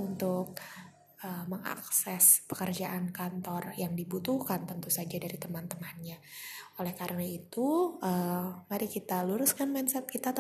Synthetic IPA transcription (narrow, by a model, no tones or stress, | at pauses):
unt̪ʊk̚ | əməŋa̰ksɛspə̥kərd͡ʒaʔankant̪ɔrjaŋdibut̪uhkant̪ənt̪usad͡ʒadaɾit̪əmant̪əŋahnɲa | olɛhkaɾənait̪uəmaɾikit̪aluɾʊskanmansɛt̪̚kit̪at̪